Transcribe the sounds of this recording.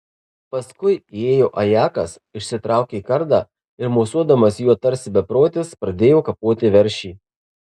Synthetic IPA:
pɐskʊɪeːjoːʔɐjæːkɐs | ɪʃʲsʲɪt̪ɾɑˑʊkʲeiːkɐɾd̪ɑː | ɪɾmoːsuɔd̪ɐmɐsjuɔt̪ɐɾʲsʲɪbʲɛpɾoːt̪ʲɪspɾɐd̪ʲeːjoːkɐpoːt̪ʲɪʋʲɛɾʲʃʲiː

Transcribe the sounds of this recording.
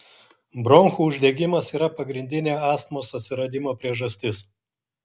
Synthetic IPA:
bɾɔŋxuːʊʒʲd̪ʲɛɡʲɪmɐsiːɾɐpɐɡɾʲɪnʲd̪ʲɪnʲeːɑːst̪moːsɐt̪ʲsʲɪɾɐd̪ʲɪmoːpʲɾʲiɛʒɐsʲt̪ʲɪs

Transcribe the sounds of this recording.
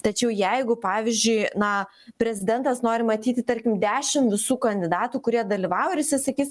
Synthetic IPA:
t̪ɐt͡ʃʲɛʊjɛɪɡʊpɑːʋʲɪzʲd͡ʒʲʊɪnɐ | pʲɾʲɛzʲɪd̪ʲɛnt̪ɐsnoːɾʲɪmɐt̪ʲiːt̪ʲɪt̪ɐɾʲkʲɪmd̪ʲæːʃʲɪmʋʲɪsuːkɐnʲd̪ʲɪd̪ɑːt̪uːkʊɾʲiɛd̪ɐlʲɪʋɑːʊɾʲɪsʲɪsɐkʲiːs

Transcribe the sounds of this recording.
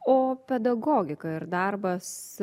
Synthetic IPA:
oːpʲɛd̪ɐɡoːɡʲɪkɐɪɾd̪ɐrbɐs

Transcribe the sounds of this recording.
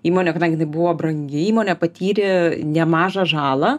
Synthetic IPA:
iːmoːnʲɛkɐd̪ɐŋʲɡʲɪnɐɪbʊʋoːbɾɐŋʲɡʲɪiːmoːnʲɛpɐt̪ʲiːɾʲɪnʲɛmɑːʒɐʒɑːlˠɐ

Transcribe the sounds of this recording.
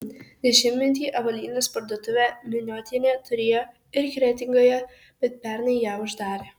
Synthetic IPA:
d̪ʲɛʃʲɪmʲmʲɪnʲt̪̬ʲiːʔɐʋɐlʲiːnʲɐspɐɾd̪ot̪ʊʋʲɛmʲɪnʲoːt̪ʲinʲɛt̪ʊɾʲɪjo | ɪɾkʲɾʲɛt̪ʲɪŋɡojɛ | b̥ʲɛt̪̚pʲɛɾnɐjjæːʊʒd̪ɑːɾʲe

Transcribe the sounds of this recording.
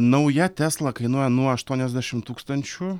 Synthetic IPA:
nɐʊjɛt̪ʲæslˠɐkɐɪnuɔjɛnuɔɐʃt̪uɔnʲɛzʲd̪ʲæʃʲɪmt̪uːkst̪ɐnʲt͡ʃʲʊ

